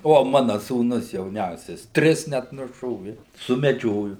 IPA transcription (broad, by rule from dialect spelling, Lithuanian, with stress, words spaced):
ˈʋoː ˈmɑːnɐ suːˈnʊs jɛʊˈnʲɛʊsʲɛs ˈtʲrʲɪs nʲɛt nʊˈʃoːʋʲɪ sʊmʲɛˈd͡ʒʲoːjʊ